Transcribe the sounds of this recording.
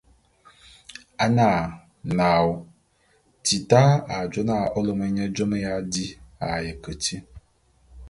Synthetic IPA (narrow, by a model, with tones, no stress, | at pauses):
a˨na˨ | na˨w | ti˨ta˦a˨d͡ʒo˦na˦˨ʔɔ˦lo˦mə˦ɲɛ˦d͡ʒo˦mə˦ja˦di˦a̰˨jə˨kə˨ti˦